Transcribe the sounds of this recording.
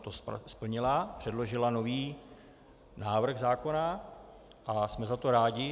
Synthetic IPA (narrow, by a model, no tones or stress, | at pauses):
t̪osspl̩ɲɪlapr̥ɛdlo̞ʒɪlano̞viː | naːvr̩ɣzaːko̞na | ʔasmɛzat̪o̞ɾaːɟɪ